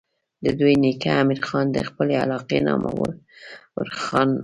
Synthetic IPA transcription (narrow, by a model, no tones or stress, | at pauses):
d̪əd̪ujnikaːmiɾxɑnd̪əxpəlealɑqenɑmʔa̰wəlwəɾxɑn